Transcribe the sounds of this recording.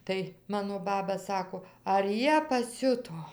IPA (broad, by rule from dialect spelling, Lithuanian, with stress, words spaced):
ˈtɐɪ ˈmɑːnoː ˈbɑːbɐ ˈsɑːkoː ɐr ˈjiɛ pɐˈsʲʊtoː